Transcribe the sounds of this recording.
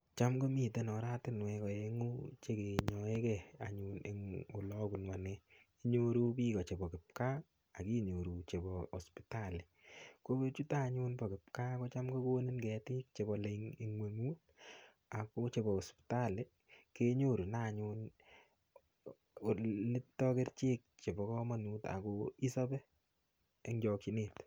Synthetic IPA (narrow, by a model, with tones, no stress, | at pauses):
t͡ʃa˦mɡo˦mi˨te˦nɔ˨ɾa˦tɪ˦nwɛ˨kɔ˨e˨ŋu˦t͡ʃe˦ke˨ɲɔ˨e˦kɛ˦a̰˨ɲu˨nḛ˨ŋo˨lɔ˦ku˨nwa˨ne˨ | i˦ɲo˦ɾu˦piː˦kɔ˨t͡ʃe˨bɔ˨kɪ˨p̚ka˦ | a˨ki˦ɲo˨ɾu˨t͡ʃe˨bɔː˨spi˨ta˦˨le˨ko˦be˦t͡ʃu˦ta˦ɲʊ˦npɔ˨kɪ˨p̚ka˦kɔ˦t͡ʃa˦mko˦ko˦ni˦nkɛ˨tɪ˦k̚t͡ʃe˨bɔ˨le˨i˨ŋwe˨ŋuː˦t̚ | a˨ko˦t͡ʃe˨bɔ˨ɔ˨spi̥ta˦le˨ | ke˦ɲo˦ɾu˨na˨ɲʊn˨ | le˦tːɔ˦ke˦rt͡ʃeː˦k̚t͡ʃe˨bɔ˨kɔ˦mɔ˦nuː˦ta̰˨koi˦sɔ˦bɛ˦ | e˦ŋd͡ʒɔ˨ki˦neː˨t